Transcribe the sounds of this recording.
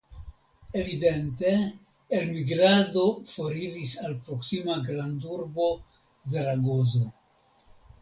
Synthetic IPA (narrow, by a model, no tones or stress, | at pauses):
e̞vide̞nte̞ː | lmiɡɾado̞fo̞ɾiɾisalpɾo̞ksimaɡɾanduɾbo̞ | zeɾaɡo̞zo̞